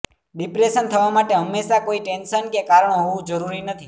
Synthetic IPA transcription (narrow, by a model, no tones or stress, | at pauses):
ɖipɾeʃənt̪ʰəʋamaʈeɦəmːeʃakoiʈenʃənkekaɾəɳoɦoʋũd͡ʒəɾuɾinət̪ʰi